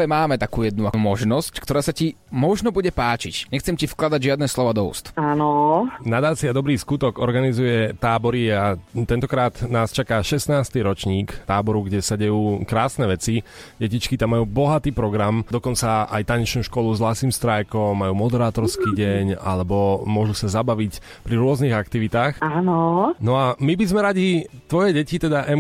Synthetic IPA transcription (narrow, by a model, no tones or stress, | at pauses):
ʋɛmaːmɛt̪akuːjɛd̪̚nuamɔʒnɔsckt̪ɔɾaːsaci | mɔʒnɔbuɟɛpaːt͡ʃḭcɲɛxt͡sɛmcifklad̪aɟʒɪad̪nɛslɔʋad̪ɔṵːst̪anɔnad̪aːt͡siad̪ɔbɾiːskut̪ɔɡɔɾɡanizujɛt̪aːbɔɾiat̪ɛnt̪ɔkɾaːt̪naːst͡ʃakaːʃɛst̪naːst̪iːɾɔt͡ʃɲiːkt̪aːbɔɾuɡɟɛsaɟɛjuːkɾaːsnɛʋɛt͡siɟɛcit͡ʃkit̪amːajuːbɔɦat̪iːpɾɔɡɾamd̪ɔkɔnt͡saa̰jt̪aɲɛt͡ʃnuːʃkɔluzɦlasiːmst̪ɾajkɔmːajuːmɔd̪ɛɾaːt̪ɔɾskiːɟɛɲa̰lɛbɔmʊɔʒusazabaʋic | pɾiɾʊɔzniːɣakt̪iʋit̪aːxanɔnɔamibizmɛɾaɟit̪ʋɔjɛɟɛcit̪ɛd̪aʔɛm